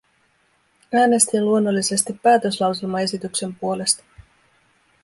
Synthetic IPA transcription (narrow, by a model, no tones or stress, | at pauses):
æːne̞st̪inluo̞nːo̞lːise̞st̪ipːæːt̪ø̞slɑwselmɑe̞sit̪ykse̞mpuo̞le̞st̪ɑ̥